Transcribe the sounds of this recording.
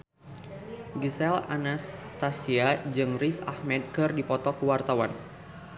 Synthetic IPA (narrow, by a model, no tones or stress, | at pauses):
ɡisɛlanast̪asiad͡ʒɨŋrisa̰hmɛd̪̚kɨrdipɔt̪ɔkuwart̪awan